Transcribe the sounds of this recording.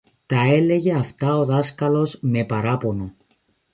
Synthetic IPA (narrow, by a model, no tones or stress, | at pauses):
t̪ɐe̞le̞ʝe̞ɐft̪ɐo̞ðɐskɐlo̞zme̞pɐɾɐpo̞no̞